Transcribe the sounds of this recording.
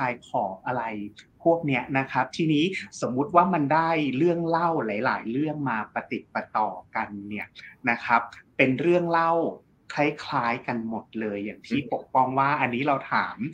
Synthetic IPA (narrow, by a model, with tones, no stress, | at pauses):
kʰaː˧jkʰɔː˩˦ʔa˧ɾa˧jpʰu˥˩ək̚ni˦˥ɐna˦˥kʰa˦˥p̚t̪ʰiː˥˩niː˦˥so˩˦mːu˦˥t̪̚waː˥˩ma˧ndaː˥˩jɾɯ˥˩əŋla˥˩wla˩˦jla̰ː˩˦jɾɯ˥˩əŋmaː˧pa˧t̪i˨˩t̪̚pa˧t̪ɔː˨˩ka˧nːi˥˩ɐna˦˥kʰa˦˥p̚ːe˧nɾɯ˥˩əŋla˥˩w | kʰa˥˩jkʰlaː˦˥jka˧nmo˨˩t̪̚lɤː˧jːaː˨˩ŋt̪ʰiː˥˩po˨˩k̚pɔ˧ŋwaː˥˩ʔa˧nːiː˦˥ɾa˧wt̪ʰaː˩˦m